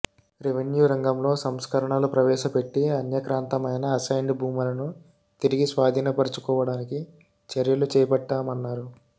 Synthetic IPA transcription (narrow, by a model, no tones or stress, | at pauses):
ɾiʋenjuːɾɐŋɡɐmlo̞ːsɐmskɐɾɐɳalupɾɐʋɛːʃɐpe̞ʈːiɐnjɐkɾaːnt̪ɐmɐjnɐːsɐjɳɖbʱuːmulɐnu | t̪iɾiɡisʋaːd̪ʱiːnɐpɐɾɐt͡ʃu̥kɔːʋɐɽaːniki | t͡ʃɐɾjɐlut͡ʃɛːjɐpɐʈːaːmɐnːaːɾu